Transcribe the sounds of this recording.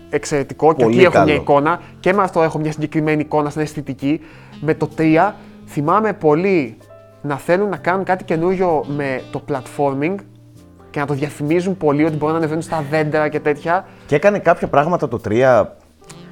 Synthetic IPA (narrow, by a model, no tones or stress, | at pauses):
ekse̞ɾe̞t̪iko̞ceoiexomɲɐiko̞nɐ | ce̞meɐft̪o̞e̞xo̞mɲɐsiɲɟe̞kɾime̞niːko̞nɐsnɐest̪it̪ici | me̞t̪o̞t̪ɾiɐ | θimɐme̞po̞li | nɐθe̞lunnːɐkɐnuŋkɐt̪i̥ce̞nuɾʝo̞me̞t̪o̞plɐt̪fo̞ɾmiŋɡ | ce̞nɐt̪o̞ðʝɐθimizumpo̞lio̞t̪ibo̞ɾunɐnevenunst̪ɐðe̞nd̪eɾɐce̞t̪e̞t̪çɐ | cekɐne̞kɐpçɐpɾɐɣmɐt̪ɐt̪ot̪ɾiɐ